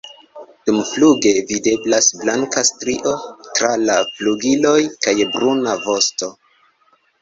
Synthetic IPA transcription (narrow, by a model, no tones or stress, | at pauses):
d̥umfluɡe̞vide̞blasblaŋkastɾiʔo̞tɾalafluɡilo̞jkajbɾunavo̞sto̞